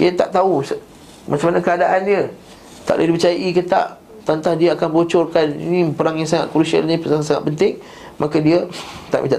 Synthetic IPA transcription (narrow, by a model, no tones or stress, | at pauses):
ḭat̪aʔt̪aus | mat͡ʃamanãkəadaʔandiə | t̪a̰ʔlədipət͡ʃajaʔikət̪a̰ʔ | t̪ant̪ahdiəakanbot͡ʃɔrkanḭnĩpəɾaŋjaŋs̬aŋa̰ʔ̪̚kuɾusə̰lnĩpəsasaŋa̰t̪ʔ̪̚pənt̪ɪŋ | makadiət̪a̰ʔmḭt̪a̰ʔ